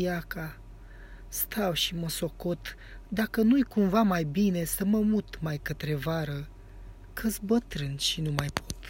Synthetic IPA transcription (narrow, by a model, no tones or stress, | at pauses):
jaka | st̪ʰawʃiməso̞ko̞t̪ | d̪akənujkumvamajbine̞səməmut̪majkət̪ɾe̞vaɾə | kʰɨsbət̪ɾɨnʃinumajpʰot̪